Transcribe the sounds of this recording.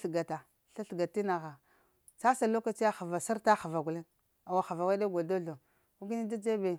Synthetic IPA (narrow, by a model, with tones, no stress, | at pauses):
ɬɡa˨ta˨ | ɬa˦ɬɡa˨ti˦na˨ɣa˨ | t͡sa˦sa˨lo˦ka˦t͡ʃi˦a˦xa˨va˨sa˦ɾta˦xa˨va˨ɡu˨le˦n | a˨wa˨xa˨va˨wa˦a˦ɡo˨do˦ɮo˨ | u˦ɡi˦ni˦da˦d͡ʒe˦be˨